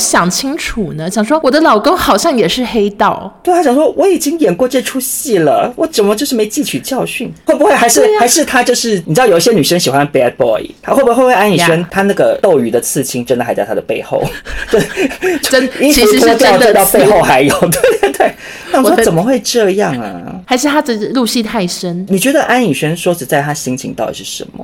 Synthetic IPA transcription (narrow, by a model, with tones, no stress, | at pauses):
ɕjɑ˨˩ŋt͡ɕʰi˥ŋʈ͡ʂʰu˨˩nə˦ɕjɑ˨˩ŋʂwɔ˥wɔ˨˩d̪ə˦lɑ˨˩ʊko˥ŋxɑ˨˩ʊɕjɑ˥˩ŋjɛ˨˩ʂɻ̩˥˩xe˥ɪt̪ɑ˥˩ʊt̪e˥˩t̪ʰa˥jɑ˨˩ŋʂwɔ˥wɔ˧˦˥i˨˩t͡ɕi˥ŋjɛ˨˩nkwɔ˥˧ʈ͡ʂɛ˥˧ʈ͡ʂʰu˥ɕi˥˩lə̰˩wɔ˧˥ʈ͡ʂə˨˩nmə˦t͡ɕjo˥˧ʂɻ̩˥˩me˧˥ɪt͡ɕi˥˧t͡ɕʰy˨˩t͡ɕjɑ˥˧ʊɕy˥˩nwe˥˩ɪbu˧˥xwe˥˩ɪxa˧˥ɪʂɻ̩˥˩a˧˥ɪʂɻ̩˥˩t̪ʰa˥t͡ɕjo˥˧ʊʂɻ̩˥˩ni˨˩ʈ͡ʂɻ̩˥˩jo˩i˥˩ɕjɛ˥ny˨˩ʂə˥nɕi˨˩xwa˧˦npɛ˥pɔ̰˧˥ḭ˨˩a˥xwe˥˩bwwe˥˧a˥ny˨˩ʂə˥nt̪ʰa˥na˥˩ɡə˩t̪o˥˩ʊy˨˩d̪ə˦t͡sʰɹ̩˥˩t͡ɕʰi˧˥ŋʈ͡ʂə˥nd̪ə˨xa˧˥ɪt͡ɕɑ˥˩ʊt̪ʰa˥d̪ə˩pe˥˧ɪxo̰˥˩ʊt͡ɕ | i˥˧˨ɔ˥t̪ʊ˥˧t̪ɑ˥˧ʊpe˥˧ɪxo˥˩ʊxa˧˥ɪjo˨˩ʊd̪t̪we˥˩ | na˥˩ni˨˩˨wt͡sə˨˩nmə˦xwe˥˧ɪʈ͡ʂɤ˥˧jɑ˥˩ŋə̰˩xa˧˥ɪʂɻ̩˥˩t̪ʰa˥ʈ͡ʂ̩˥˩˧lu˥˧ɕi˥˧t̪ʰa˥˩ɪʂə˥nni˨˩t͡ɕɥɛ˧˥d̪ə˧ʔa˥ni˨˩ɕɛ˥nʂwɔ˥ʈ͡ʂɻ̩˨˩t͡sa˥˩ɪt̪ʰa˥ɕi˧˥ŋt͡ɕʰi˧˥ŋt̪ɑ˥˩t̪ḭ˨˩ʂɻ̩˥˩ʂə̰˧˥nmə̰˦